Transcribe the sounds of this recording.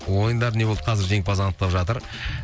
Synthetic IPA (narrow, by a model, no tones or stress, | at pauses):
wo̞jənd̪ɑɾneod̪əqʰɑzɪɾʒe̞ŋpɑzɑnət̪̚t̪ːɑpʒɑt̪əɾ